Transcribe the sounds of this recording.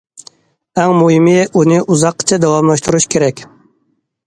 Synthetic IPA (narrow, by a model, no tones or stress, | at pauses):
æŋmuimiunɪʔuzɑqːt͡ʃʰad̪awɑmlˠɑʃt̪uɾuʃkʲʰeɾɛkʲ